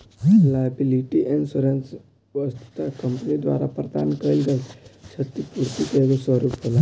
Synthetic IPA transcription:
lajəbiliʈiʔensuɾãns | ʋəst̪u̥t̪akəmpnid̪ʋa̰ɾapɾəd̪a̰nkəilɡajɕət̪ipuɾt̪ik̪əʋesʋəɾuːpɦola

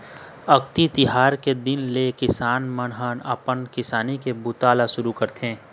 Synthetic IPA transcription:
ɐkt̪it̪ɪɦaːɾked̪ɪnlekɪsaːnmənɦənɐ̰pənkɪsaːnikebʊt̪aːlaʃʊɾukɐɾt̪ẽː

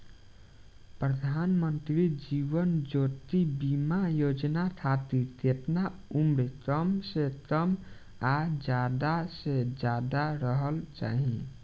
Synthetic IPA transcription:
pɾəd̪ʱanmənt̪ɾid͡ʒiʋənd͡ʒot̪ibimajod͡ʒnat̪ʰat̪it̪epnaumɾekəmsekəm | ad͡ʒad̪ased͡ʒad̪aɾəɦəlt͡ʃa̰ɦĩ

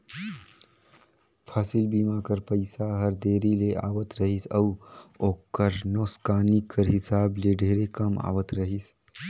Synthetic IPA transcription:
pʰasilbimakəɾpəɪsaɦəɾd̪eɾileʔa̰ʋət̪ɾəɦisəuokːəɾnoskanikːəɾɦɪsableɖʱeɾekəma̰wət̪ɾəɦis

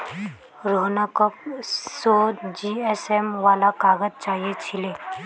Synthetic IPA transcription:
ɾoɦnakɔp̚sod͡ʒiesemʋaːlakaːɡəd͡ʒ̚t͡ʃaːɦiet͡ʃʰile

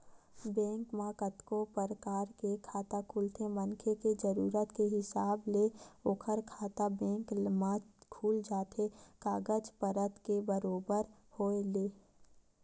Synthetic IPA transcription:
bɛ̃ːŋkmãːkət̪kopəɾəkaːɾkekʰaːt̪akʰuːlt̪ʰemənkʰeked͡ʒəɾuːɾət̪keɦɪsaːbleoːkʰəɾkʰaːt̪abɛ̃ːŋkmãkʰuːld͡ʒaːt̪ʰekaːɡəd͡ʒpəɾət̪kebəɾoːbəɾhoːleː

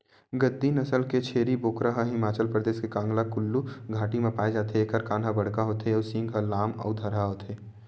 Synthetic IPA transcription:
ɡəd̪ːinɐsəlket͡ʃʰeːɾiboːkɾəɦɦɪmaːt͡ʃəlpɾəd̪eːskekãːŋɡlakʊlːuɡʱaːʈimẽpaːed͡ʒaːt̪ʰeeːkəɾkaːnɦabɐɽ̤kaɦoːt̪eɔːsɪ̃ŋɡɦəlaːmɔ̰ːd̪ʱɐɾɦaɦoːt̪ʰeː

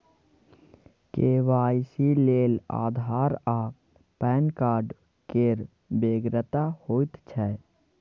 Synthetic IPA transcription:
keːʋaːjsileːla̰ːd̪ʱaːɾa | pɛːnkaːɾɖ | keɾ | beːɡɾət̪ahoːit̪t͡ʃʰɛ

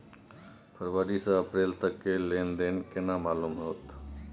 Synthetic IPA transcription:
pʰəɾʋaːɾisãəpɾeːlt̪əkːeleːnd̪eːnkenaːmaːluːmɦoːt̪

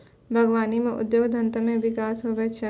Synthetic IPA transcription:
bʱɐɡʋaːnimẽʔʊ̰d̪joːɡd̪ʱɐ̃nt̪əmẽʋɪkaːsɦoʋɐt͡ʃʰɐ

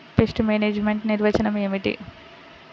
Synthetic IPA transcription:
pesʈmeːneːd͡ʒmeɳʈniɾʋɐt͡ʃɐnɐmeːmiʈḭ

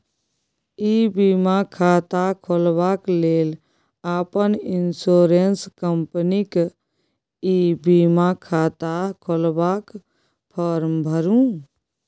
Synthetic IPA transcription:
ibiːmakʰaːt̪akʰolbaːkleːl | aːpənɪnsoːɾenskəmpənik | ibimakʰaːt̪akʰolbak | pʰəɾmbʱəɾũ

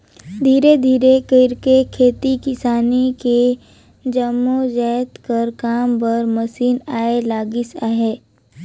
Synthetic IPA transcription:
d̪ʱiːɾed̪ʱiːɾekəɪɾkekʰeːt̪ikɪsaːnike | d͡ʒəmːod͡ʒɛːt̪kɐɾkaːmpɐɾməsiːnaːelaːɡisaːɦeː

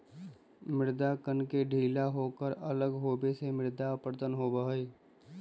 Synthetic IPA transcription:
mɪɾd̪akənkeɖʱiːlaɦokəɾələɡɦoːbesemɪɾd̪apəɾd̪ənɦobəɦəi

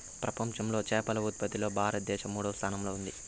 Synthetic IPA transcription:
pɾɐpɐmʃɐmlo̞ːt͡ʃɛːpɐlɐut̪̚pɐt̪ilo̞ːbʱaːɾɐt̪̚d̪ɛːʃɐmːuːɽɐʋɐst̪ʰaːnɐmlo̞ːund̪i

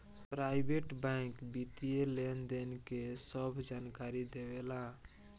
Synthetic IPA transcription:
pɾajbʱeʈbɛ̃ɪ̃kbit̪ielend̪enkesəbʱd͡ʒankaɾid̪ebela

